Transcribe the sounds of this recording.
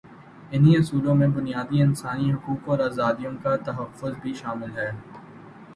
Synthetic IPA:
ɪniʊsuːlõmẽbʊnijaːd̪iɪnsaːniɦʊkuːkɔːɾaːzaːd̪ijõkat̪ɐɦɐfːʊzbʱiʃaːmɪlɦɛː

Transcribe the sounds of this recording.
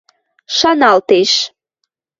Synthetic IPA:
ʃɑnɑlt̪eʃ

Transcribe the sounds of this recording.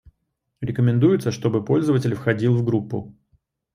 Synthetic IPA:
ɾʲɪkəmʲɪnd̪ujʊt̪səʂt̪o̞bɨpo̞lʲzəvətʲɪlʲfxɐdʲilˠvɡɾupːʊ̰

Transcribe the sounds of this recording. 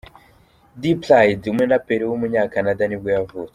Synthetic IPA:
diplajdumŋenapeɾewumuɲaːkanadanib̚ɡojavuːt͡se̥

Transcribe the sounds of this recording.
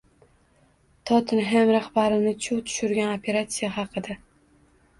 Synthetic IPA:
t̪ʰɒt̪ʰɪnɦemɾahbaɾɪnɪt͡ʃʰʊt̪ʰʊ̥ʃʊɾɡʲanopʰe̞ɾat̪sijaɦɑqʰɨd̪a

